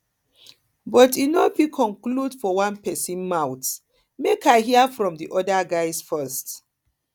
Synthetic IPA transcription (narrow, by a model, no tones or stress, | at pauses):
bɔtinɔbikʰɔ̃ŋkludfɔwãnpɛsĩnmaʊt | mekʰaɪɦiafɹɔ̃mdiʔɔdaɡaɪsfɜst